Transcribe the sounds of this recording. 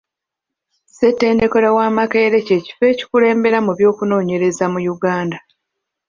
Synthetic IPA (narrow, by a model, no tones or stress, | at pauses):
setːe̞ːnde̞koɾawaːmakeɾe̞ce̞ːci̥fe̞ːci̥kule̞ːmbe̞ɾamuβjo̞ːkuno̞ːɲe̞ɾe̞zamujuɡaːnda